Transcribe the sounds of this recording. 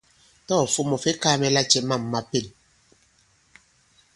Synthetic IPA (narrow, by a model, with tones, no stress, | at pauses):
tɔː˦˨fu˦mɔ˨fe˦kaː˦mɛ˨la˦t͡ʃɛ˨ma˦˨mːa˨pe˦˨l